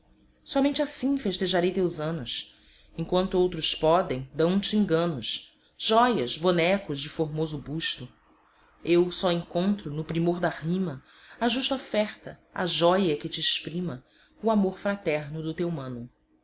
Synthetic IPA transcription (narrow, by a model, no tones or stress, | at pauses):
sɔmẽnt͡ʃɪasĩfeʃt̪eʒaɾejt̪ewzɐ̃nʊs | ẽŋkwɐ̃nt̪ʊowt̪ɾʊspɔd̪ẽj̃d̪ɐ̃w̃t͡ʃɪĩɡɐ̃nʊʃ | ʒ̥ɔjɐzbonɛkʊzd͡ʒɪfoɾmozʊbuʃt̪ʊ | ewsɔẽŋkõnt̪ɾʊnʊpɾimoɾd̪ahĩmɐ | aʒuʃt̪ɐofɛχt̪ɐɐ̰ʒɔjɐkɪt͡ʃɪːʃpɾĩmɐ | ʊamoɾfɾat̪ɛɾnʊd̪ʊt̪ewmɐ̃nʊ